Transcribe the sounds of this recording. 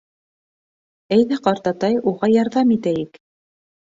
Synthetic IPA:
æjðæqɑɾt̪ɑt̪ɑjuʁɑjɑɾðɑmit̪æjɘk

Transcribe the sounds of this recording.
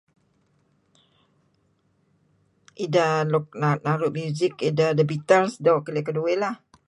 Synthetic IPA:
ʔidalɔk̚nanaɾʊʔ̚mjuzɪkidadəbit̪əlsdawʔkəliakəduelah

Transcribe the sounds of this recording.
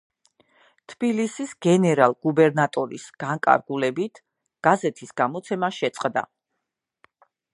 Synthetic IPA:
t̪ʰb̥ilisisɡ̥ɛnɛɾalˠɡ̥ubɛɾnat̪ʼɔɾḭsɡ̥aŋkʼa̰ɾɡulɛbit̪ʰ | ɡ̥azɛt̪ʰisɡ̥amɔt̪sʰɛmaʃɛt̪sʼqʼd̪a̰

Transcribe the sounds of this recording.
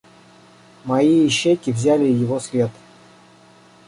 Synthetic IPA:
mɐiɪɕːejkʲɪvzʲælʲɪjɪvosʲlʲe̞t̪

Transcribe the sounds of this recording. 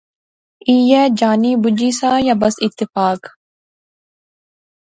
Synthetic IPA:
iːjɛːd͡ʒaːniːbʊd͡ʒiːsaːjaːbɐsɪt̪ːɪfaːk

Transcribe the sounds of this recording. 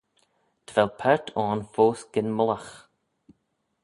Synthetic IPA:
d̪̥ʰəvɛlpʰɛɹt̪ʰɔːnfoːsɡ̥ɪnmʊləx

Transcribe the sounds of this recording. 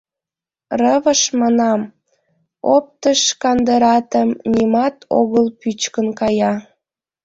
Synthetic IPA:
rəβəʃmɑnɑm | op̚t̪əʃkɑnd̪əɾɑt̪əmnʲimɑt̪ʰo̰ɣəlpyt͡ɕkənkɑjɑ

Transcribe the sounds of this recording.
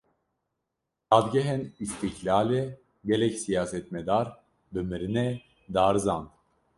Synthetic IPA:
t̪ad̪ɡeɦɛnist̪ʰiklʲaːlʲɛ | ɡelɛcsijaːsɛt̪med̪aɾ | bømiɾinɛ | d̪aɾzand̪

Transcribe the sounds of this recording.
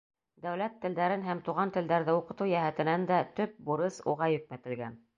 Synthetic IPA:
d̪æwlæt̪ːɘ̆ld̪æɾɘnɦæmt̪uʁɑnt̪ɘ̆ld̪æɾðɘuqɤ̆t̪ɤwjæɦæt̪ɘ̆nænd̪æt̪ɵp̚buɾɤsṵʁɑjɵ̆k̚mæt̪ɘ̆lɡæ̰n

